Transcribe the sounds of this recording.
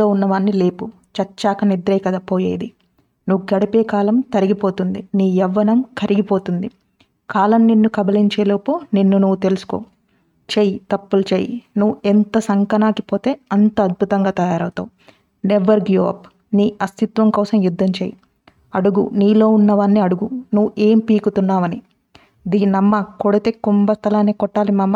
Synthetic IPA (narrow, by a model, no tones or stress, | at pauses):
oːunːɐʋaːnːile̞ːpu | t͡ʃɐt͡ʃːaːkɐnid̪ɾɐjkɐd̪apoːjeːjd̪i | nuʋuɡɐɽɐpeːkaːlɐmt̪ɐɾiɡipo̞ːt̪und̪iniːjɛʋːɐnɐmkʰɐɾʔiɡipo̞ːt̪und̪i | kʰaːlɐmninːukɐbɐliɲt͡ʃeːloːpoːninːunuʋut̪e̞lusu̥ko̰ː | t͡ʃejit̪ɐpːulɐt͡ʃeːjinuʋuent̪ɐsɐŋkɐnaːkipo̞ːt̪e̞ːɐnt̪ɐɐd̪̚bʱut̪ɐŋɡaːt̪ɐjaːɾɐwut̪ɐ̰u | neʋɐɾɡjoːɐ̰p | niːɐst̪it̪ʋɐmkɔːsɐmjud̪ʱːɐmt͡ʃḛːji | ɐɽuɡuniːlo̞ːunːɐʋaːnːiɐɽuɡunuʋuʔe̞ːmpiːkut̪unːaːʋɐni | d̪iːnɐmːɐkoɽit̪eːkumbɐst̪ʰɐlaːneːkɔʈːaːlimaːmːɐ